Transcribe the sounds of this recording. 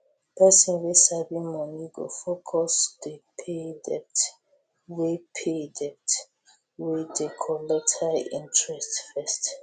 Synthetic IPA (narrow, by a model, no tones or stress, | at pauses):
pʰɛsɔ̃nwesabĩmɔniɡo̰fokʰɔsdepʰedɛp̚t | wepʰedɛp̚t | wedɛkʰɔlɛtʰaḭ̃ntɹɛstfɛst